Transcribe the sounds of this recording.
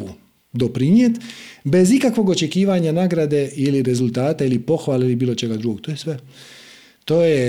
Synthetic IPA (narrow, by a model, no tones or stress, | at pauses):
u | d̪o̞pɾinjet̪be̞zikakʋo̞ɡo̞t͡ʃe̞kiːʋaɲanaːɡɾad̪e̞iliɾe̞zulˠt̪aːt̪ailipo̞xʋaːlilibiːlo̞t͡ʃe̞ɡad̪ɾuɡo̞ɡt̪ojesʋe | t̪o̞ːje